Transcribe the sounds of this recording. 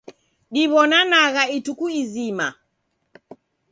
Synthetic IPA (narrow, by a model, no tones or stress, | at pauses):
ɗiβɔnanaɣaitukuizima̰